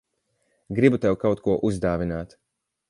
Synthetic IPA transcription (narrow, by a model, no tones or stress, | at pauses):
ɡɾibut̪ɛwkawt̪̚kuɔʔuzd̪aːvinaːt̪